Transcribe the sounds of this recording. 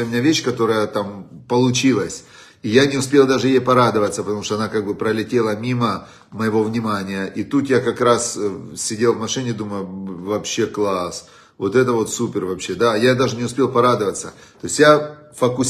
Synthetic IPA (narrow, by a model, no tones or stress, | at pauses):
ɪmʲɪnʲavʲeɕːkɐt̪o̞ɾəjət̪ampəlˠʊt͡ɕilˠəsʲ | ijanʲɪʊspʲelˠd̪aʐɨjejpɐɾad̪ɨvət̪səpət̪ɐmuʂt̪ɔɐnakaɡ̚bɨpɾəlʲɪtʲe̞lˠəmʲimə | məjɪvo̞vnʲɪmanʲɪjəʔit̪ut̪jakɐkɾassʲɪdʲelˠvmɐʂɨnʲɪd̪uməjʊvɐpɕːeklˠas | vo̞t̪ɛt̪əvo̞t̪supʲɪrvɐpɕːe̞d̪ajad̪aʐɨnʲɪʊspʲe̞lˠpɐɾad̪ɨvət̪sə | t̪oɪsʲja | fəkʊ